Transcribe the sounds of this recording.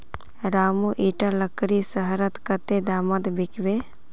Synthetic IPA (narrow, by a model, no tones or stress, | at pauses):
ɾaːmuʔiːʈələkɾisəɦɾət̪kət̪ed̪aːmət̪bɪkʋe